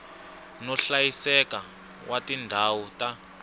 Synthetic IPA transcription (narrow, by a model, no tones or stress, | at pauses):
nɔɬajisɛka | wʔatindʱawuta